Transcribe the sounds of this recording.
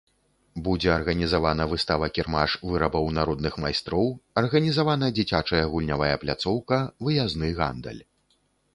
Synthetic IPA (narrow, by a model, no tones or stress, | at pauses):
bud͡zʲɛɐrɣɐnʲizavanɐvɨst̪avɐkʲirmaʂvɨɾɐbɐwnaɾɔd̪nɨxmajst̪ɾɔwɐrɣɐnʲizavanɐɐd͡zʲit͡sʲat͡ʂɐjɐɣulʲnʲavajɐplʲat̪sɔwkɐvɨjaznɨɣa̰nd̪ɐ̰lʲ